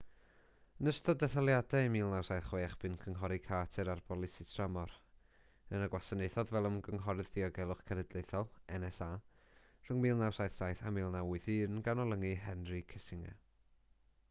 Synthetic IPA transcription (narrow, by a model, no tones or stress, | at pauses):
nəstɔdɛθəlˠjadɛmiːlˠnawsajθχwejaχb̥ɨnkʰəŋɦɔɾikʰaːtʰɛɾarbɔlˠɪsitʰramɔɾ | ənaɡwasənejθɔðvɛlˠəmɡəŋɦɔɾɨðdiɔɡɛlˠʊχkʰɛnɛdlˠejθɔlˠɛnɛsaː | r̥ʊŋmiːlˠnawsajθsajθamiːlˠnawʊɨθiːnɡanɔlˠəŋiɦɛnrɨkʰɛsɪŋɛ̰